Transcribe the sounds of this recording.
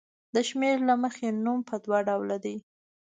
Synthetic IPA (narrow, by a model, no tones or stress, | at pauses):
d̪əʃmeɾlaməxenumpʰəd̪waɖawlad̪ej